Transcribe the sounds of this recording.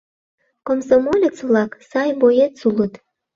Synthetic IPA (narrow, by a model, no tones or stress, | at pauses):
komsomolʲet͡sβlɑksɑjbojet̪sulət̪